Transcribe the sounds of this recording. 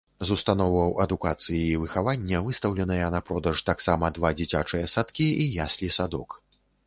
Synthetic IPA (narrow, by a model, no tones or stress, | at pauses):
zust̪anɔwvɐwɐd̪ukat̪sɨjiːvɨxavanʲːɐvɨst̪ɐwlʲɛnɐjɐnɐpɾɔd̪ɐʂt̪aksamɐd̪vad͡zʲit͡sʲat͡ʂɨjɐsat̪kʲiijasʲlʲisad̪ɔk